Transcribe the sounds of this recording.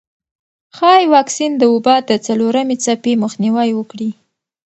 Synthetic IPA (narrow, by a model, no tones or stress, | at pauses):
xɑjwɑksind̪əobɑd̪ət͡saloɾamet͡sapeməxniwajwəkɽi